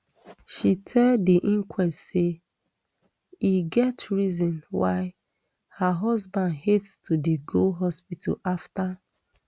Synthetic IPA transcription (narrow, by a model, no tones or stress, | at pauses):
ʃitʰɛldiʔĩŋkwɛstse | iɡɛtɹizɔ̃nwa̰ɪ | haɦɔzbãndhetstʰudiɡoɦɔspitʰa̰lafta